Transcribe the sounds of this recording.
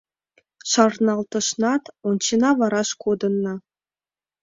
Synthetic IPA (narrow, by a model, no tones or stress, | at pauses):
ʂɑrnɑlˠt̪ɤ̆ʂnɑt̪ont͡ɕinɑʋɑɾɑʂkud̪ɤ̆nːɤ̆